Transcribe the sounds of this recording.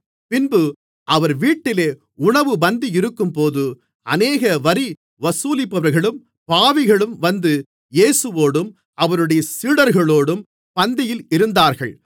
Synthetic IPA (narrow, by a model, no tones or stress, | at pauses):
pɪnbɯ | ʔɐʋɐɾʋiːʈːɪleː | ʊɳɐʋɯbɐnd̪iɪɾɯkːɯmpoːðɯ | ʔɐneːɣɐʋɐɾi | ʋɐsuːlɪpːɐʋɐɾɣɐɭɯm | paːʋɪɣɐɭɯmʋɐnd̪ɯ | jeːsɯʋoːɽɯm | ʔɐʋɐɾɯɽɐjɐsiːɽɐɾɣɐɭoːɽɯm | pɐnd̪ɪjɪlɪɾɯnd̪aːɾɣɐɭ